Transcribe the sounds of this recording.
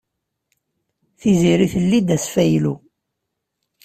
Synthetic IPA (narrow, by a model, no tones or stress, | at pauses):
θiziɾiθəlːid̪æsfæjlu